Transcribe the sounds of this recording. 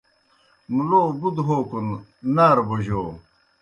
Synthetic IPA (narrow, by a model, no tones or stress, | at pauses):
muloːbud̪ɦoːkunnaːɾboʑoː